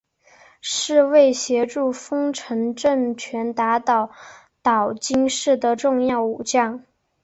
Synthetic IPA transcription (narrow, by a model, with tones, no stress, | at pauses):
ʂɻ̩˥˧we˥˩ɪɕjɛ˧˥ʈ͡ʂu˥˩fɤ˥ŋʈ͡ʂʰɤ˧˥ŋʈ͡ʂə˥˩ŋt͡ɕʰɥɛ˧˥nt̪a˧˥t̪ɑ˨˩˦ʊ | t̪ɑ˨˩ʊt͡ɕi˥ŋʂɻ̩˥˩d̪ə˩ʈ͡ʂʊ˥˧ŋjɑ˥˩ʊu˨˩t͡ɕjɑ˥˩ŋ